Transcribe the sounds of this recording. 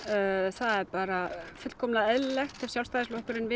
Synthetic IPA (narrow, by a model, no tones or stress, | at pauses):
θaðɛɾpaːɾafʏt̪kʰɔmlaɛðlɛxt̪ɛv̥sjalst̪ajðɪslɔhkʏɾɪnvɪ